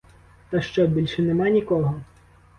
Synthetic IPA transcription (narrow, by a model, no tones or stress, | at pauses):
t̪ɐʃt͡ʃɔbʲilʲʃɛnɛmanʲikɔɦɔ